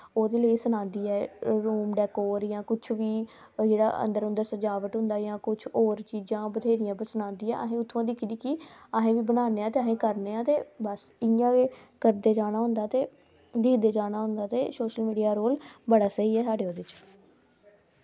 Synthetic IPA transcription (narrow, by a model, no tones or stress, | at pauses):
oːd̪eːləiːsʊnãːnd̪iːɛːɾuːmɖɛːkoːɾjãːkʊt͡ʃʰʋiː | d͡ʒeːɽa̰ːʔə̰nd̪əɾʊ̃nd̪əɾsəd͡ʒaːʋəʈɦʊ̃nd̪aːjãːkʊt͡ʃʰoːɾt͡ʃiːd͡ʒãːbət̪ʰeːɾɪjãːpəɾsʊnãːnd̪iːɛ̰ːʔəɦẽːʊt̪ʰːãːd̪ɪkʰd̪iːkɪəɦẽːʋiːbənaːneːãːt̪eːəɦẽːkəɾneːãːt̪eːbəs | ɪjãːe | kəɾd̪eːd͡ʒaːɽnaːɦʊ̃nd̪aːt̪eː | d̪ɪkʰd̪eːd͡ʒaːɽaːɦʊ̃nd̪aːt̪eːsoːʃəlmiːɖijaːɾoːlbəɽaːsəɦiːɛːsaːɖeːoːd̪ɪt͡ʃ